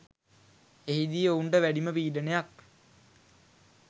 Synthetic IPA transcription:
eɦid̪ijəuɳɖəʋæɖiməpiːɖənejak

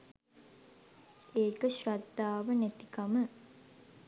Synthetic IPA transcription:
eːkəɕɾad̪ːaːʋənet̪ikamə

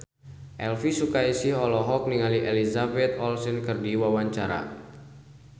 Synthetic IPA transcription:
ʔɛlfisukaisihɔlɔɦɔk̚niŋaliʔelizabɛt̪ɔlsɛnkɨrdiwawaɲt͡ʃaɾa̰

